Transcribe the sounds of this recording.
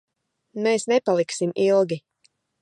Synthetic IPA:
meːsnɛpalˠiksimilˠɡʲi

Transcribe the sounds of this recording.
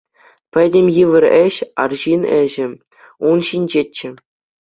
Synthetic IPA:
pʲɘ̆dʲemʲjiʋʲɘ̆rʲɘ̆ɕɑ̰rʑinɘ̆ʑɘ̆ | unɕinʲd͡ʑet͡ɕːɘ̆

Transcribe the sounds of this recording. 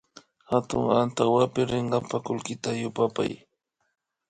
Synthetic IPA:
hat̪ʊ̰ŋant̪awapɪɾɪɴɢɑmpakʊlkɪt̪ajʊpapa̰j

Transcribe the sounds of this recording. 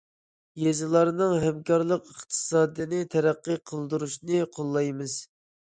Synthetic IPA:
jezɨlˠɑɾnɨŋɦɛmkɑɾlˠəqəχt̪ʰɨ̥sɑːd̪ɨnɨt̪ʰɛɾæqːəqʰəlˠd̪uɾuʃnɨqʰolˠːɑjmɨz̥

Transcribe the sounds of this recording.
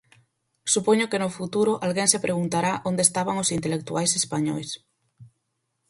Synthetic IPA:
supoɲokenofut̪uɾoʔalɣeŋsepɾʔeɣ̞unt̪aɾaʔond̪est̪aβ̞aŋosint̪elek̚t̪uajsespaɲo̰js

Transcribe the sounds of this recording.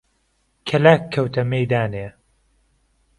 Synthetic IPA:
kʰɐlaːkʰːɐwt̪ʰɐmejd̪aːneː

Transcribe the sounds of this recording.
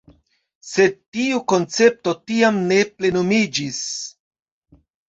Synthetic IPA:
se̞d̚tiuko̞nt͡se̞p̚to̞tiamne̞ple̞nomid͡ʒis

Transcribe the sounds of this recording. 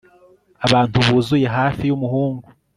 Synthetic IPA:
aβaːntuβuːzuje̞ɦaːfijumuhuːŋɡu

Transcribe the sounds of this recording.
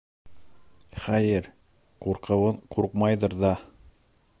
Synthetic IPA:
χæjɘɾ | quɾqɤ̆wɤɴqʰuɾqmɑjðɤɾðɑ

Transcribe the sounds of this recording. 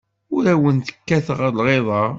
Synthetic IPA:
ʊɾæwənt̪ə̥kːæθʁəɾlʁeðˤɑ

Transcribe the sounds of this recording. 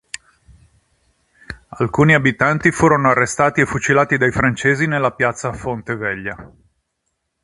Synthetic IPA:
alkuːniabit̪ant̪ifuːɾonoarːest̪aːt̪iefut͡ʃilaːt̪id̪ajfɾant͡ʃeːzinelːapjat̪sːafont̪evɛʎːa

